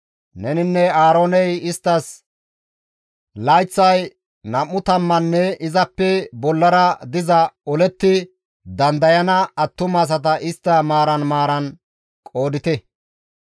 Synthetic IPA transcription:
nɛnɪnːɛaːɾo̞ːnɛjɪst̪ːɐs | lɐjt͡sːɐj | nɐmːʊt̪ɐmːɐnːɛɪzɐpːɛbɔlːɐɾɐd̪ɪzɐɔlɛt̪ːɪ | d̪ɐnd̪ɐjɐnɐɐt̪ːʊmɐs̬ɐt̪̬ɐʔɪst̪ːɐmaːɾɐnmaːɾɐn | kʼo̞ːd̪ɪt̪ɛ

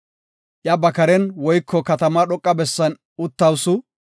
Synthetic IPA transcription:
ʔjɐbɐkɐɾɛnwɔjkʰːɔkɐt̪ɐmaɗɔkʼːɐbɛsːɐn | ʊt̪ːɐwsʊ

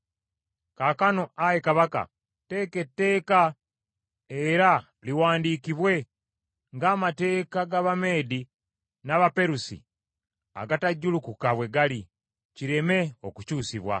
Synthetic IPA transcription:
kakano̞ajekaβaka̰ | te̞ːke̞tːe̞ːka | eɾa | liwaːndikiβwe̞ | ŋɡaːmate̞ːkaɡaβame̞ːdi | naβape̞ɾusḭ | a̰ɡataɟːulukukaβwe̞ɡali | ciɾe̞me̞o̞kucuːsiβwa̰

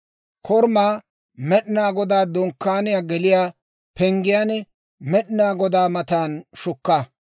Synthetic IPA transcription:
kʰɔɾmaː | mɛɗɪnaːɡɔd̪aːd̪ɔŋkːaːnɪjaɡɛlɪjaː | pɛŋɡɪjaːnɛ | mɛɗɪnaːɡɔd̪aːmɐt̪aːnʃʊkːɐ

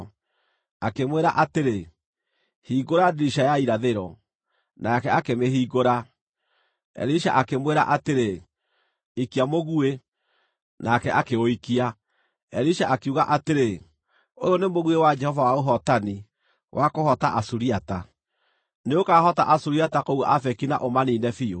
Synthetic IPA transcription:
akemweɾa̰ʔateɾe | hiːɣoɾadiɾiʃajaiɾaðeɾɔ | nakɛakemeɦiːɣoɾa | ɛ̰ɾiʃa̰ʔakemweɾa̰ʔateɾe | ikiamoɣue | nakɛʔakeoikia | ɛɾiʃaʔakeuɣaʔateɾe | o̰jɔnemoɣuewad͡ʒɛhɔvawaoɦɔtani | wʔakohɔtaʔasuɾiata | neokahɔta̰ʔasuɾiatakouʔafɛkina̰ʔomaniːnɛfio

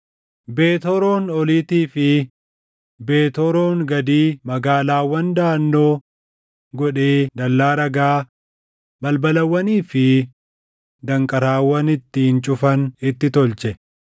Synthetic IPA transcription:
be̞ːt̪ɔɾoːnɔliːt̪iːfɪ | beːt̪ɔɾoːŋɡɐd̪iːmɐɡaːlaːwɐnd̪aːnːoː | ɡɔᶑeːd̪ɐlːaːɾɐɡaː | bɐlbɐlɐwːɐniːfɪ | d̪ɐŋkʼɐɾaːwːɐnɪt̪ːɪhɪnt͡ʃʼʊfɐnɪt̪ːɪt̪ɔlt͡ʃɛ

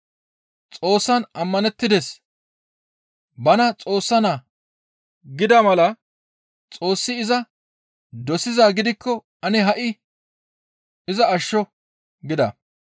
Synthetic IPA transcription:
t͡sʼo̞ːsːɐnɐmːɐnɛt̪ːɪd̪es | bɐnɐt͡sʼo̞ːsːɐnaː | ɡɪd̪ɐmɐlɐ | t͡sʼo̞ːsːɪːzɐ | d̪ɔsɪzaːɡɪd̪ɪkːɔ | ɐnɪɦɐʔɪ | ɪzɐːʃːɔ | ɡɪd̪ɐ̰

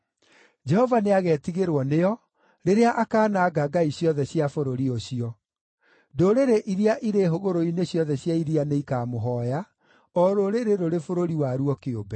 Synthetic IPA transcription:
d͡ʒɛhɔvaneaɣɛːtiɣeɾwɔneɔ | ɾeɾeaʔakaːnaɡaɡaiɕjɔðɛɕjafoɾoɾioɕiɔ | doɾeɾeʔiɾiaʔiɾeɦoɣoɾoineɕjɔðɛɕjaiɾianeikamoɦɔja | ɔɾoɾeɾeɾoɾefoɾoɾiwaɾuɔkeobɛ

